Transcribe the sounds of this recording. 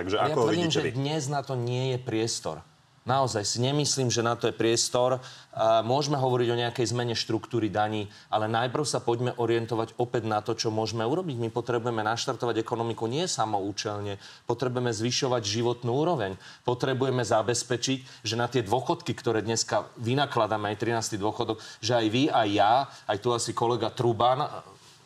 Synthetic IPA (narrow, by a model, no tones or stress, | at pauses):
aɡʒɛajaiːmʒɛd̪ɲɛznat̪ɔɲɪɛjɛpɾɪɛst̪ɔ̰ɾ | naɔzajsiɲɛmisliːmʒɛnat̪ɔjɛpɾɪɛst̪ɔɾmʊɔʒmɛɦɔʋɔɾiɟɔɲɛakɛjzmɛɲɛʃt̪ɾukt̪uːɾid̪aɲiː | alɛnajpr̩ʊsapɔɟmɛʔɔɾɪɛnt̪ɔʋaɟɔpɛd̪nat̪ɔt͡ʃɔmʊɔʒmɛuɾɔbiɟmipɔt̪ɾɛbujɛmɛnaʃt̪aɾt̪ɔʋaɟɛkɔnɔmikuɲɪɛjɛsamɔuːt͡ʃɛlɲɛpɔt̪ɾɛbujɛmɛzʋiʃɔʋaɟʒiʋɔt̪nuːuːɾɔʋɛɲ | pɔt̪ɾɛbujɛmɛzabɛspɛt͡ʃic | ʒɛnat̪ɪɛd̪ʋɔxɔt̪kikt̪ɔɾɛːd̪ɲɛskaʋinaklad̪amɛajt̪ɾinaːst̪id̪ʊɔxɔd̪ɔkʒɛajʋiajːaajt̪uasikɔlɛɡat̪ɾuban